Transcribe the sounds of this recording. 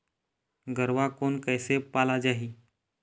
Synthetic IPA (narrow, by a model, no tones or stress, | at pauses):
ɡəɾʋakonkəjsepalad͡ʒaɦiː